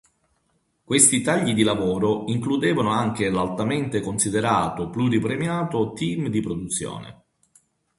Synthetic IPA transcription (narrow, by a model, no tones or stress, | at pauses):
kwest̪it̪aʎːid̪ilavɔːɾoiŋklud̪eːvanoaŋk̟elalt̪ament̪ekonsid̪eɾaːt̪opluɾipɾemjaːt̪ot̪imd̪ipɾod̪ut̪sːjo̰ːnḛ